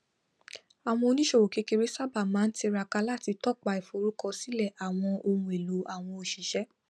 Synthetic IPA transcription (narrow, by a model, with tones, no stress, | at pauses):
a˨w̃ɔ̃˧o˧nĩ˦ʃo˦˨wo˨ke˨˧˦ke˧ɾe˦sa˦˨ba˦˨mãː˨˦n̩˦ti˧ɾa˧ka˧la˦˨ti˧tɔ˦˨k͡pa˧i˨fo˨ɾu˨˦kɔ˧si˨˦lɛ˦˨ʔa˨w̃ɔ̃˧o˧hũ˧e˨lu˨˦a˨w̃ɔ̃˧o˧ʃi˨ʃɛ˨˦